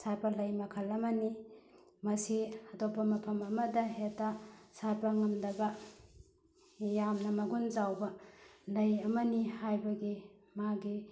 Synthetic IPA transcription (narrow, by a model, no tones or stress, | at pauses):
saɾpɐlɐjmɐkʰɐlːɐmɐni | mɐsiɐdopʰːɐmɐpʰɐmɐmɐdɐɦetasaɾpɐŋɐmdɐbɐ | jamnɐmɐɡunzawbɐlɐjɐmɐnihajbɐɡi | maɡi